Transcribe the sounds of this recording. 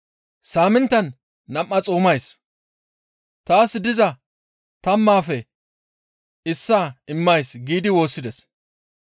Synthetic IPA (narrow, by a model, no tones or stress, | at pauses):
saːmɪnt̪ːɐnː | ɐʔːɐt͡sʼoːmɐjs | t̪aːsːɪd̪ɪzɐ | t̪ɐmːaːfɛ | ɪsːaːɪmːɐjsɡiːd̪ɪwo̞ːsːɪd̪ɛs